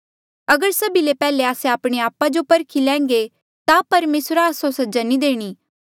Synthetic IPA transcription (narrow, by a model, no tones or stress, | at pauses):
ɐɡəɾsɐbilepɛːleaːseaːpɽ̃eaːpad͡ʒopɐɾkʰilɛ̃ːŋ̆ɡe | t̪apɐɾmeːsɾaːsõsɐd͡ʒanid̪eːɽ̃iː